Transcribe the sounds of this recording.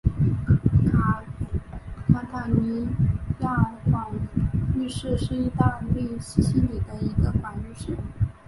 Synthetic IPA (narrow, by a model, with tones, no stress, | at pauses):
kʰa˧˥t̪ʰa˨˩ni˧˥ja˥˩xwa˨˩y˥˧ʂɻ̩˥˧ʂɻ̩˥˩˧i˥˧t̪a˥˧nle˥˩ɪɕi˥ɕi˥li˨˩d̪ə˦i˧˥ɡə˧xwa˧˥ny˥˧ʂɻ̩˥˩